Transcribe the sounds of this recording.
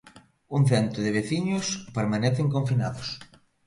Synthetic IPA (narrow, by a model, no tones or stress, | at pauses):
uŋ̟θɛnt̪ɾʊðɪβ̞eθiɲʊspeɾmanɛθeŋkõɱfinaðʊs